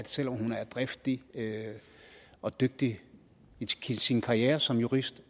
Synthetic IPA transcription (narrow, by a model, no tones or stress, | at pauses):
æd̥sel̰ɒ̽mhunæɐd̥ʁefd̥iø | ɒ̽d̥øɡ̥̚d̥i | iisinkʰɑ̈ʁieːɐsɒ̽mjuʁisd̥